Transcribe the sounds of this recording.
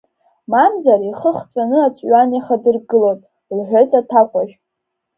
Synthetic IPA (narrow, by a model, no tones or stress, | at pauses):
mamzariχəχt͡sʼanɨat͡sʼɥanjaχadɨrɡɨlotʼ | lħʷᶣojtʼatʰakʷʰʼaʒᶣ